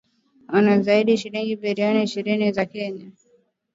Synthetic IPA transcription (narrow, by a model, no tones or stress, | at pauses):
wanazaiɗiʃiɾiŋɡiɓɛɾianiiʃiɾinizakɛɲa